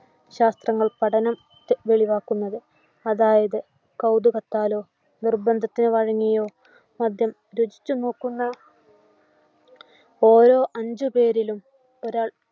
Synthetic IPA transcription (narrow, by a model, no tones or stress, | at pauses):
ɕaːst̪rɐŋːɐɭpɐʈɐnɐm | t̪ːʋe̞ɭiʋaːkːunːɐðɨ | ɐðaːjɐðɨ | kɐwd̪uɣɐt̪ːaːlo̞ː | nirbɐnd̪ʱɐt̪ːinɨʋɐɻɐŋːijoː | mɐd̪ʱjɐm | ɾud͡ʑi̥t͡ɕːuno̞ːkːunːɐ | o̞ːɾo̞ːʔɐɲd͡ʑɨpe̞ːɾilum | o̞ɾaːɭ